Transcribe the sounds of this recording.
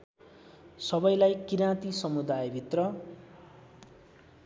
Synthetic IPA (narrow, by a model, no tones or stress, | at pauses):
sʌbʌjlajkiɾãt̪isʌmud̪ajbʱit̪rʌ